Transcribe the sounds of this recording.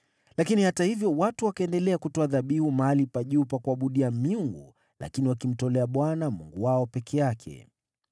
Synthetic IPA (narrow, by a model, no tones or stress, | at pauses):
lakinihatahivjɔwatuwakaɛndɛlɛakutɔaðaɓihumaalipaʄupakuaɓuɗiamiuŋɡu | la̰kiniwakim̩tɔlɛaɓwanamuŋɡuwaɔpɛkʰɛjakʰɛ̰